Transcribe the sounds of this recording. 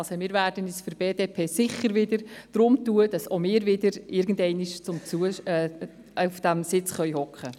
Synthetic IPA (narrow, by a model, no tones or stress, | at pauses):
lsomɪːɾvæːrdənisfəɾb̥eːdeːpʰeːsɪχəɾʋɪdəɾd̥ɾʊmtuəd̥ɑsomɪːɾvɪdəɾɪɾɡn̩dɛɪniʃt͡sʊmt͡suə | ufd̥æmsɪt͡sχœʏhɔkχə